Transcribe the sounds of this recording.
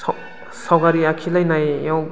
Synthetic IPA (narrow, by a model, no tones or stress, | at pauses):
sawɡaɾiakʰilajnajaw